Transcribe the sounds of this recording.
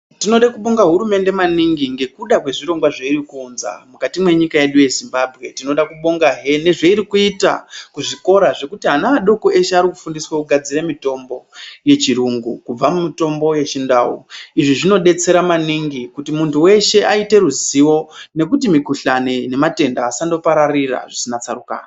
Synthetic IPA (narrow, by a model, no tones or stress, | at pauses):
tino̞ɗakuɓo̞ŋɡaɦuɾume̞nde̞maniŋɡiŋɡe̞kuɗakwe̞ʐiɾo̞ŋɡwaʐeiɾikuːnza̰mukatimwe̞ɲikaje̞ɗuje̞zimbabʱɣe̞tino̞ɗakuɓoŋɡaɦe̞ne̞ʐe̞iɾikuita̰kuʐiko̞ɾaʐe̞kutiɦanaːɗo̞koʔe̞ʃeaɾikufundiswakuɡʱad͡ziɾemito̞mbo̞je̞t͡ʃiɾuŋɡukub͡vamumito̞mbo̞je̞t͡ʃindawo̰iʐiʐino̞ɗe̞t͡se̞ɾamaniŋɡikutimuntʰuwe̞ʃe̞ʔaite̞ɾuziwo̞ne̞k̬utimikuɬanene̞mate̞ndaːsando̞paɾarira̰ʐisinat͡saruka̰ːna